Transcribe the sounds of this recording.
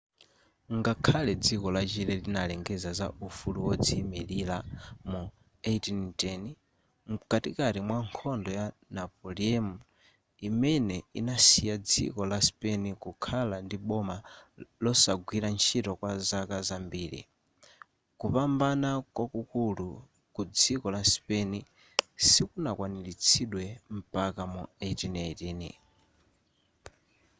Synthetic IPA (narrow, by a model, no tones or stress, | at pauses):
ŋɡakʰalɛd͡zikɔlat͡ʃilɛlinalɛŋɡɛzaza̰ufuluwɔd͡zimililamu | etintɛni | mkatikaɾimwaŋkʰɔndɔjanapɔliɛmu | imɛnɛḭnasijad͡zḭkɔlaspɛnikukʰalandiɓɔmalɔsaɡwiɾant͡ʃʰitɔkwazakazambiːɾḭ | kupambanakwakukulu | kud͡zikɔlaspɛni | sikunakwanilit͡sʰiɗwɛm̩pakamuetinɛtiːnḭ